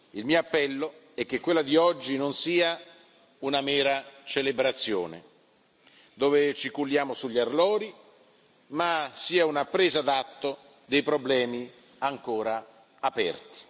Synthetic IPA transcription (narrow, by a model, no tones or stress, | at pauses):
ilmiːoapːɛlːo | ɛk̟ːekːwelːad̪iɔd͡ʒːinonsiːa | unamɛːɾat͡ʃelebɾat̪sːjo̰ːnḛ | d̪oːvet͡ʃikulːjaːmosuʎːarlɔːɾi | masiːaunapːɾeːzad̪at̪ːo | d̪ejpɾoblɛːmi | aŋkoːɾaː | pɛ̰rt̪i̥